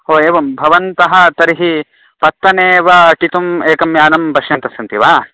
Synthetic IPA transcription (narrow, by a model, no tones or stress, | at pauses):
ɦoːeːʋɐmbʱɐʋɐnt̪ɐɦɐ̆t̪ɐɾiɦi | pɐt̪ːɐneːʋɐʈit̪umeːkɐmjaːnɐmbʱɐʃjɐnt̪ɐsɐnt̪iʋaː